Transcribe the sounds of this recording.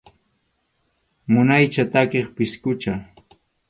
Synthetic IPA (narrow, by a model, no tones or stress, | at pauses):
mʊnajt͡ʃat̪akeχpɪskʊt͡ʃa